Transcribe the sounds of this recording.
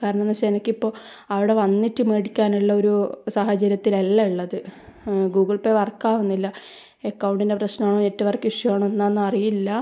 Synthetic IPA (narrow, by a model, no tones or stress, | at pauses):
kaːɾɐɳɐmnːɐɕeːnɐkʲːipːo̞ː | ɐʋiɽe̞ʋɐnːitːɨmeːɽikʲːaːnuɭːɐo̞ɾusaːhɐt͡ɕɐɾjɐt̪ːilelːɐuɭːɐðɨ | ɡuːɡɐɭpeːʋɐrkːaːʋunːilːɐ | ekːɐwuɳɖinde̞prɐɕnɐmaːɳoetːɐʋɐrkːɨiʂjɐʋaːɳoenːanːɨɐrijilːɐ